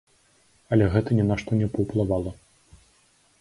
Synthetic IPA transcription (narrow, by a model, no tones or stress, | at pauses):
ɐlʲɛɣɛt̪ɐnʲɛnaʂt̪ɔnʲɛpɐwplˠavalˠɐ